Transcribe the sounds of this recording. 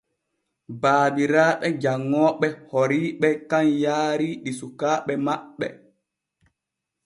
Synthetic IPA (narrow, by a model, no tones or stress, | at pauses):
baːbiɾaːɓɛd͡ʒaŋːɔːɓɛhoɾiːɓɛkanjaːɾiɗisukaːɓɛmaɓːɛ̰